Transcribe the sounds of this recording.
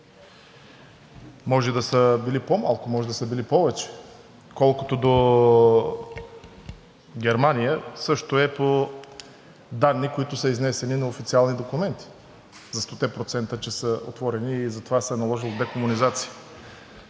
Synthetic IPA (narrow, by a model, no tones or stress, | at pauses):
mɔʒɛd̪ɐsəbilipomalˠkʊmɔʒɛd̪ɐsəbilipɔvɛt͡ʃɛ̥ | kɔlˠkʊt̪od̪o | ɡʲɛɾmanijəsɤʃt̪oɛpo | d̪anːikoit̪ʊsəiznɛsɛninɐofit̪sialˠnid̪okumɛnt̪i̥ | zɐst̪ot̪ɛpɾot̪sɛnt̪ət͡ʃɛsəo̰t̪vɔɾɛniːzɐt̪ovasɛɛnɐlˠɔʒilˠd̪ɛkomʊnizat̪si̥jə